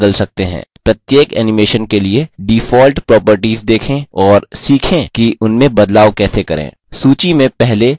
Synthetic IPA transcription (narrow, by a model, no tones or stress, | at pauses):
əlsɐk̚t̪eɦɛ̰̃ːpɾɐt̪jeːkɛ̰ːnɪmeːʃənkelieɖifɔːlʈpɾɔːpəɾʈiːzd̪eːkʰẽɔːɾsiːkʰẽkiʊnmẽbɐd̪laːʋkɛːsekɐɾḛ̃ː | suːt͡ʃimẽpɛɦle